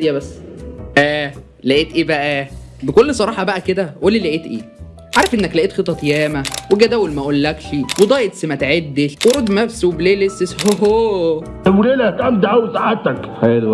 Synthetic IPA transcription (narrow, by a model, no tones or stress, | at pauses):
jæbæsːʔæː | læʔeːt̪ʔiːbæʔæ | bekolːsˤɑɾˤɑːħɑbæʔæked̪æʔoːlːilæʔet̪ʔiː | ʕɑɾˤɑfʔenːæklæʔeːt̪xet̪ːˤɑt̪jæːmæweɡæd̪æːwolmæʔolːækʃiwed̪ˤɑːjʔet̪semæt̪ʕed̪ːelweɾod̪næfsowbeleːlesːeshoɦoː | wleːlæk̪æmd̪ʕawsaʕet̪ækħal